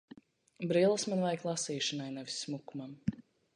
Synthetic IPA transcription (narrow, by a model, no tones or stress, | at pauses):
bɾilˠsmanvajklˠasiːʃinajnɛvʲisːmukumam